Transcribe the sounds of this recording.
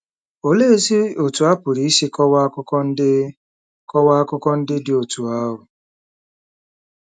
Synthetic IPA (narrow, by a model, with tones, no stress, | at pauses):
o˨le˦e˦zi˦o˨tu˨a˦pʊ˨ɾi˦i˦si˦kɔ˦wkɔ˦n̩˦ | kɔ˦wa˦kʊ˦kɔ˦n̩˦dɪ˦dɪ˦o˨tu˨a˦ɾʊ˨